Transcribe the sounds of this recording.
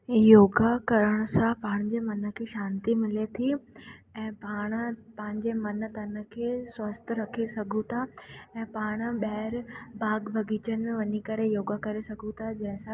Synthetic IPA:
joːɡakɐɾəɽ̃ʊ̆sãpaːɽ̃d͡ʑemɐnə̆kʰeːʃãːnt̪imɪlet̪ʰiɛ̃ːpaːɽ̃pɐ̃ɪ̃ɲd͡ʑemɐnə̆t̪ɐnə̆kʰeːswɐst̪ʰɾɐkʰesɐɡʱũt̪ʰaɛ̃ːpaːɽ̃ə̆ɓɐɦɾbaːɡbʱɐɡʱit͡ɕən̆ʋɐɲikɐɾejoːɡakɐɾesɐɡʱũt̪ʰad͡ʑɐ̃ɦɪ̃sã

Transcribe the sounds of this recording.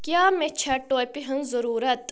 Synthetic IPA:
kjaːmet͡ʃʰɐʈoːjpiɦɐnzɐɾuːɾɐt̪

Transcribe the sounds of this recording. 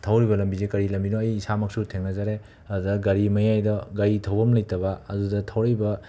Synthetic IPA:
tʰawɾibɐlɐmbizekɐɾilɐmbinoɐjːsamɐksutʰeŋnɐzaɾe | ɐduɐɡɐɾimɐjajdɐɡɐɾitʰɐwbɐmlɐjtɐbɐɐdudɐtʰɐwɾijbɐ

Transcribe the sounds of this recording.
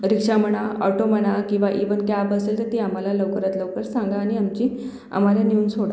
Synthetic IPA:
ɾikʂam̤əɳ̃aɔʈoməɽ̃akĩw̃ʋaʔiʋənkabəselt̪əɾt̪iam̤alaləwkəɾat̪ləwkəɾsaŋɡaːɽ̃iamt͡ɕi | a̰m̤aljaniunsoɽa

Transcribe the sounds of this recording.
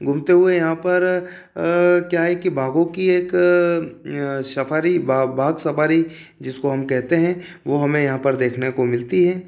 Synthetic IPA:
ɡʱʊmt̪eɦʊejɐɦãpɐɾ | kjaːɦɛkibʱaːɡõkieːk | sɐpʰaːɾibabʱaːɡsɐpʰaːɾi | d͡ʒɪskoɦɐmkɛɦt̪eɦɛ̃ | ʋoɦɐmẽjɐɦãpɐɾd̪eːkʰnekomɪlt̪iɦɛː

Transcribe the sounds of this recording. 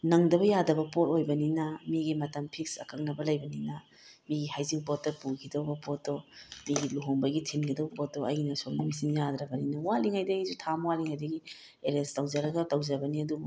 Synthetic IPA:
nɐŋdɐbɐjadɐbɐpotojbɐninɐmiɡimɐtɐmpʰiksɐ̰kʰɐŋnɐbɐlɐjbɐninɐ | miɡihajziŋpot̚tːɐpukʰidɐwbɐpot̚domiɡiluɦoŋbɐɡitʰinɡidɐwbɐpot̚ːoɐjnɐsoŋnɐmisinjad̪ɾɐbɐninɐwaliŋhajdɐizutʰamwaliŋhajdɐɡi | eɾestɐwd͡ʒɐɾɐɡɐtɐwd͡ʒɐbɐniɐdu

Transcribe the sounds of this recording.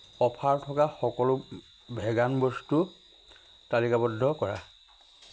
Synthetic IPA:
ɔpʰaɹtʰɔkaxɔkɔlʊ | bʱɛɡanbɔstu | talikabɔdʱːɔkɔɹa̰

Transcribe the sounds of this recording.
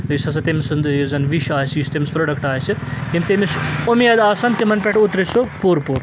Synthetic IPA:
jusɐs̬ʰɐt̪emsund̪jozɐnʋiʃaːsjusʲt̪emispɾoɖɐkʈaːsɨt̪emʲt̪emisomijɐd̪aːsɐnt̪imɐnpʲeʈʰut̪ɾisopuɾpuɾ

